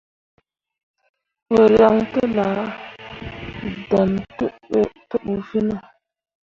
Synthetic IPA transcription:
wə˨ɾa˦ŋtə˦la˨˦ | da˨nttə˦ɓu˨fi˦na˨

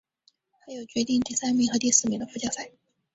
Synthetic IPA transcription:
xa˧˥ɪjo˨˩ʊt͡ɕɥɛ˧˥t̪i˥˧ŋt̪i˥˩sa˥nmi˧˥ŋxɤ˧˥t̪i˥˧sɹ̩˥˩mi˨˩ŋd̪ə˦fu˥t͡ɕjɑ˥˧ʊsa˥˩ɪ

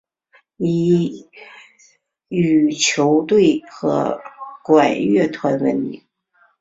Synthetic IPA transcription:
i˨˩ | y˨˩t͡ɕʰjo˧˥ʊt̪we˥˩ɪxɤ̰˧˥kwa˨˩nɥɛ˥˩t̪ʰwa˧˥nwə˧˥nḭ˧˥˩

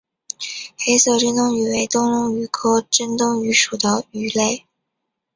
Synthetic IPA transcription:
xe˥ɪsɤ˧˩li˥nt̪ʊ˥ŋy˨˩we˧˥ɪt̪ʊ˥ŋlʊ˥ŋy˨˩kʰɤ˥ʈ͡ʂə˥nt̪ʊ˥ŋy˧˥ʂu˨˩d̪ə˦y˨˥le˥˩ɪ

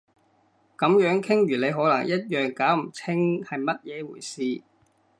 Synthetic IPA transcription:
kɐ˨˥mjœː˨˥ŋkʰɪ˥ŋjyː˨˩le˨˧jɦɔː˨˥lɐ˨˩ŋjɐ˥t̚jœː˨˩ŋkaː˨˥wm̩˨˩t͡sʰɪ˥ŋhɐ˨jmɐ˥t̚jɛː˨˧wuː˨˩jsiː˨˧

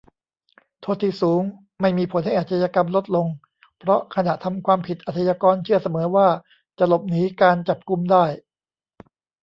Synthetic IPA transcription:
t̪ʰoː˧˩t̪ʰiː˧˩suː˩˦ŋ | ma˥˩jmiː˧pʰo˨˩˦nha˥˩jʔa˨˩t̪̚ːʰa˧jaː˧ka˧mlo˦˥t̪̚lo˧ŋ | pʰɾɔ˦˥kʰa˧na˨˩ʔt̪ʰa˧mkʰwaː˧mpʰi˨˩t̪̚ʔa˨˩t̪ʰa˧jaː˧kɔː˧nt͡ɕʰɯ˥˩ɐsa˧mɤː˩˦waː˥˩ | t͡ɕa˨˩lo˨˩p̚niː˩˦˥kaː˧nt͡ɕa˨˩p̚ku˧mdaː˥˩j

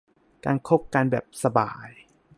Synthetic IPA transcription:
kaː˧nkʰo˦˥p̚kaː˧nbɛ̰ː˨˩p̚sa˧ba̰ː˨˧j

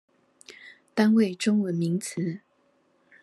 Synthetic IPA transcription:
t̪a˥˦nwe˥˨ɪʈ͡ʂʊ˥ŋwə˨˦nmi˨˦ŋt͡s̩ʰ˨˦

